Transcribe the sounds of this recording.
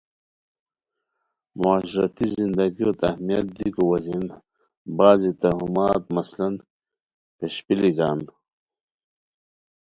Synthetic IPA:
muaːɕɾɐt̪izind̪ɐɡiot̪ɐhmijɐt̪̚d̪iikowɐzin | baːzit̪ɐɦumaːt̪̚mɐslɐn | peɕpiliɡaːn

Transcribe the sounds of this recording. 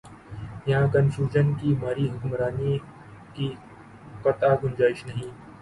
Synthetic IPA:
jɐɦãkɐnfjuːʒənkimaːɾiɦʊkmɾaːni | ki | kɐt̪aɡʊnd͡ʒaːɪʃnɐɦĩː

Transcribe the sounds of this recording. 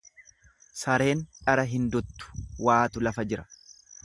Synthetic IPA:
sɐɾe̞ːnᶑɐɾɐɦɪnd̪ʊt̪ːʊ̥waːt̪ʊlɐfɐd͡ʒɪɾɐ̥

